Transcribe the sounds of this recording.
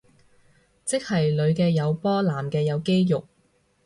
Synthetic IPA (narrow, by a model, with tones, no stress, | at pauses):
t͡sɪ˥k̚hɐ˨jlɵ˨˧ɥkɛː˧jɐ˨˧wpɔː˥laː˨˩mkɛː˧jɐ˨˧wke˥jjʊ˨k̚